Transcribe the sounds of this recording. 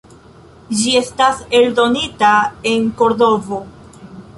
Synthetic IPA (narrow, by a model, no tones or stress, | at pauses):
d͡ʒie̞stase̞ldo̞nitae̞ŋko̞ɾdo̞vo̞